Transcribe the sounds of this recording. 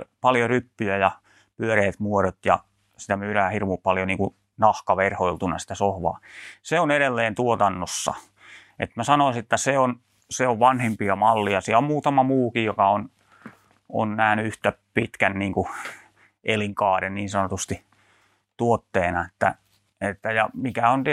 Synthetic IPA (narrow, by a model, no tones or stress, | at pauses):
pɑljorypːyjæjɑ | pyøreːt̪muoɾot̪jɑ̰ | sit̪æmyːɾæːhirʋupɑljoniːŋku | nɑhkɑʋerhoilt̪unɑ̰si̥t̪æsohʋɑ̰ːseoneɾelːeːnt̪uot̪ɑnːosːɑ̰ | ʔḛt̪mæsɑnoisiet̪ːæseon | seoʋʋɑnhempiɑmɑlːiɑsiæommuːt̪ɑmɑmuːkijjokɑon | o̰nnæhnyyht̪æpit̪kænniːŋku | ʔeliŋkɑːɾenniːnsɑnot̪ust̪i | t̪uot̪ːeːnɑet̪ːæ̰ | et̪ːæjɑmikæont̪